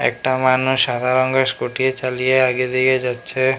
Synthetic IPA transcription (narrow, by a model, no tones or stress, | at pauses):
ɛ̰k̚ʈamanuʃʃːad̪ʱaɾɔŋɡeʃkoʈijet͡ɕalijeaɡed̪iked͡ʑatːʃʰe